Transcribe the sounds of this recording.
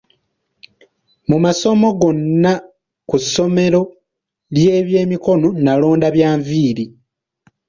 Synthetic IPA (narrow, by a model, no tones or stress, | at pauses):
mumaso̞mo̞ɡo̞nːa | kusːo̞me̞ɾo̞ | lje̞ːβje̞ːmiko̞no̞nalo̞ːndaβjaːɱviːɾi